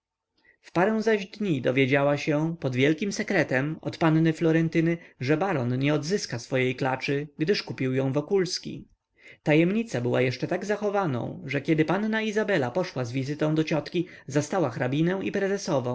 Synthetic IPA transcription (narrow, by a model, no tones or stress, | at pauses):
fpaɾɛ̃w̃zaʑd̪ɲid̪ɔvʲjed͡ʑawaɕɛpɔd̪vʲjɛlkʲimsɛkɾɛt̪ɛmɔ̰t̪panːɘflɔɾɛnt̪ɘnɘʐɛbaɾɔnɲɛɔd̪zɘskasfɔjejklat͡ʂɘɡd̪ɘʂkupʲiwjɔ̃w̃vɔkulskʲḭ | t̪ajɛmɲit̪sabɘwa̰jɛʂt͡ʂɛt̪aɡzaxɔvanɔ̰̃w̃ʐɛkʲɛd̪ɘpanːaizabɛlapɔʂwazvʲizɘt̪ɔ̃w̃d̪ɔt͡ɕɔt̪kʲizast̪awaxɾabʲinɛw̃ipɾɛzɛsɔvɔ̃w̃